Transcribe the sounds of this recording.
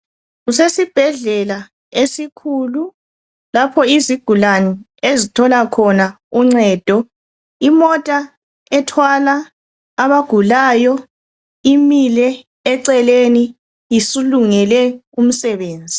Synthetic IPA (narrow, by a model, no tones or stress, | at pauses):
ɣusesib̥ʱɛɮɛla | esikʰulu | lapʰɔiziɡ̥ʱulani | ezitʰɔlakʰɔna | uŋ͡ǀɛd̥ʱɔ | imɔtʼa | ɛtʰwalaː | βaɡ̥ʱulaːjɔ | imilɛː | ǀɛleni | isuluŋɛlɛum̩sɛβeːnd͡zʱi